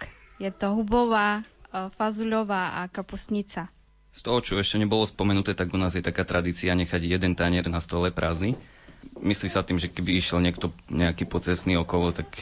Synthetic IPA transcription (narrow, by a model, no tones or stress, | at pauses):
jɛt̪ɔɦubɔʋaːfazuʎɔʋaːʔakapusɲit͡sa | st̪ɔɦɔt͡ʃɔɛʃcɛɲɛbɔlɔspɔmɛnut̪ɛːt̪aɡunaːzjɛt̪akaːt̪ɾad̪iːt͡siaɲɛxaɟjɛd̪ɛnt̪aɲɛɾnast̪ɔlɛpɾʔazni | mislisat̪iːmʒɛkɛbiiʃjɛlɲɪɛkt̪ɔɲɛakiːpɔt͡sɛsniɔkɔlɔt̪ak